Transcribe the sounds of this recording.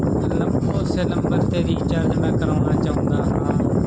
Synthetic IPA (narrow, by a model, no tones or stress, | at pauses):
ənəmboːseːləmbəɾt̪eːɾiːt͡ʃəɾd͡ʒnãːkəɾaːnaːt͡ʃaːɦʊ̃ːd̪aːɦãː